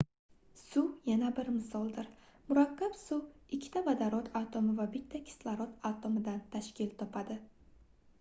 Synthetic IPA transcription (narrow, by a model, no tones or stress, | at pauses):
sujanabɪɾmɪsɒlˠd̪ɪɾmʊɾakʲːapsuɪkʲʰːɪ̥t̪ʰabad̪aɾɒt̪ʰat̪ʰomɪvabɪt̪ʰːakʲʰɪ̥slˠaɾɒt̪ʰat̪ʰomɪd̪ant̪ʰaʃkʲʰɪlt̪ʰɒpʰad̪ɪ